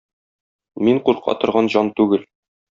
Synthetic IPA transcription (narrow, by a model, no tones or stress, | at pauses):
miɴquɾqʰɑ̰t̪ŏɾʁɑnʑɑnt̪ʉɡɘl